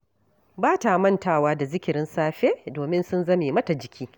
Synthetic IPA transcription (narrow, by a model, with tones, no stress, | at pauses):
baː˦ta˨mɐ˦ntaː˦˨waː˦da˨zɪ˦kʲɪ˨ɾɪ˦nsaː˦ɸeː˦doː˨mɪ˦nsʊ˦nzɐ˦meː˨mɐ˦ta˨d͡ʒɪ˨kʲiː˦